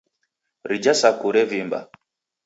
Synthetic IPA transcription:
ɾid͡ʒasakuɾɛvimba̰

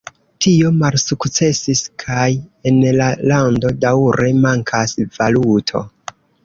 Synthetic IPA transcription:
tio̞malsukt͡se̞siskʰaje̞nlalando̞dawɾe̞maŋkʰasv̥alutʰo̞̰

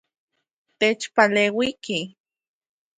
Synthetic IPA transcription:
t̪et͡ʃpaleːwiki

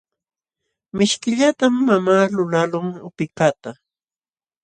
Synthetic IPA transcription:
mɪʃkɪʎat̪amːamaːlʊlalʊŋʊpɪkat̪a

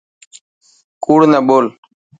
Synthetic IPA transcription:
kuːɽnəboːl

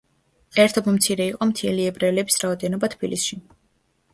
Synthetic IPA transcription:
ɛɾt̪ʰɔbmt̪sʰiɾɛiqʼɔmt̪ʰiɛliɛbɾɛlɛbisɾaɔd̪ɛnɔbat̪ʰb̥ilisʃi

